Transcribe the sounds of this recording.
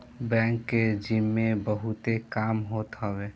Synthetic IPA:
bɛ̃ŋkːed͡ʒimːẽbəɦut̪ekaːmɦoːt̪ɦəwe

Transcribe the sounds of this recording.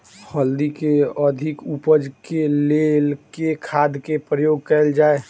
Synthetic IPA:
pʰəld̪ikeəd̪ʱɪkupəd͡ʒkelelkekʰaːd̪kepɾəjoːɡ̚kɛeld͡ʒaːe

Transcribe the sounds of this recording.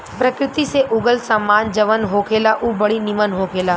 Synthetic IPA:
pɾəkɾɪt̪iseʔʊɡəlsamːaːnd͡ʒɐʋənɦoːkʰeːlaʔubɐɽinɪmənɦoːkʰeːlaː

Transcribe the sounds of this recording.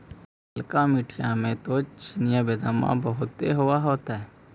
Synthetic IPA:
əlkãmiʈʰijãmẽt̪ot͡ʃinijabeːd̪aːmã̰bɐɦʊt̪ːeɦʊwaɦoːt̪aɦɛː

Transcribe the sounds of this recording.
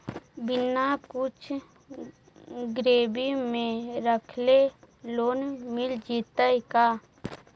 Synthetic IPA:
bɪnakʊt͡ʃʰ | ɡɾeːbimẽɾəkʰle | loːnmɪld͡ʒiːt̪əjkaː

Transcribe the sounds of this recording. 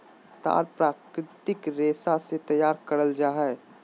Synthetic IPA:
t̪a̰ːɾpɾaːkɾɪt̪ɪkɾeːsaset̪ɐjaːɾkɐɾəld͡ʒaːɦɛ

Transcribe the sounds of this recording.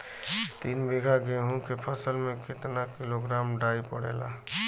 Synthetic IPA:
t̪iːnbiɡʱaɡeɦũkepʰəsəlmẽket̪nakiloɡɾaːmɖaːipəɽḛla̰

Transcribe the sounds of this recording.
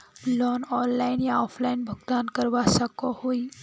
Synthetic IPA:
lɔːnɔːnlaɪnjaɔːpʰlaɪnbʱəɡd̪aːnkəɾʋasəkɔhoːi

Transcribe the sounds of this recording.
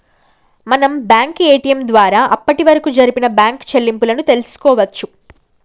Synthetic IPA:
mɐnɐmbjaːŋke̞ːʈijɐmd̪ʋaːɾaːʔɐpːɐʈiʋɐɾɐkud͡ʒɐɾipinɐbjaːŋkt͡ʃelːimpulɐnut̪e̞lusu̥kɔːʋɐt͡ʃːu

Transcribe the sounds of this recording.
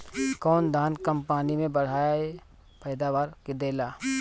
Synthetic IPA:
kɔːnd̪ʱaːnkɐ̃mpaːnimẽbɐɽ̤aːjae | pɛːd̪aːʋaːɾked̪eːlaː

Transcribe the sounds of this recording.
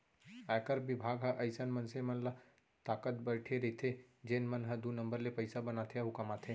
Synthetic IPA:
ajkəɾbɪbʱaːɡɦə̃ʔɐɪsənmənsemənla | t̪aːkət̪̚bəɾʈʰeɾit̪ʰe | d͡ʒeːnmənɦə̃d̪unə̃mbəɾlepəɪsabənat̪ʰeaɦʊkamat̪ʰe

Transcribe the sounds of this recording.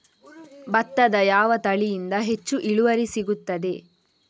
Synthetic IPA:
bɐt̪ːɐd̪ɐjaːʋɐt̪ɐɭijind̪ɐɦe̞t͡ʃːuʔiɭuʋɐɾisiɡut̪ːɐd̪e̞

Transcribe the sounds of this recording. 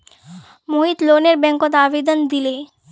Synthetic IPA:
moɦit̪loːneɾbɛ̃ŋkot̪aːʋed̪ənd̪ileː

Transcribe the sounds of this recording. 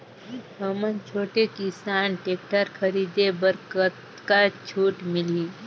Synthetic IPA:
iɦəmənt͡ʃʰoːʈekɪsaːnʈeːk̚ʈəɾkʰəɾid̪ebəɾkət̪ | kat͡ʃʰuːʈmɪliː

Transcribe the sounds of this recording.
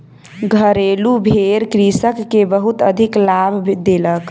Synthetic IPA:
ɡʱəɾelubʱeɾkɾisəkːebəɦut̪əd̪ʱiklabʱd̪elək

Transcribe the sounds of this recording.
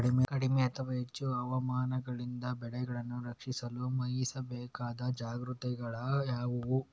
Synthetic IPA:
ɐɽimekɐɽimeɐt̪ʰɐʋɐɦet͡ʃːuɐʋɐmaːnɐɡɐɭind̪ɐbɛɭɛɡɐɭɐnːuɾɐkʂisɐlumɐjsɐbɛːkaːd̪ɐd͡ʒaːɡɾut̪ɛɡɐɭɐjaːʋɐʋu

